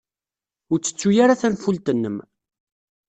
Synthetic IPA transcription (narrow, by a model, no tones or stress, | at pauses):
ʊɾt͡sːə̥t͡sːujaɾaθænfult̪ənːəm